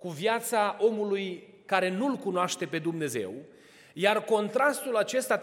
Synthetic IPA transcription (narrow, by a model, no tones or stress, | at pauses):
kuvjat̪saʔo̞muluj | kaɾe̞nulkunoaʃt̪e̞pe̞d̪umne̞ze̞̰w | jarko̞nt̪ɾast̪ulat͡ʃe̞st̪a